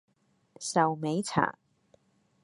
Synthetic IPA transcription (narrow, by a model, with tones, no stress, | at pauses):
sɐ˨wme˨˥jt͡sʰa̰ː˨˩